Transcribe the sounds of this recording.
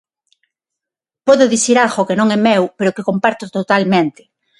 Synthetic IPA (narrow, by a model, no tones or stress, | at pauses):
pɔðoðiθiɾalɣokenõŋɛmewpeɾokekompaɾt̪ot̪ot̪almẽnt̪ɪ̥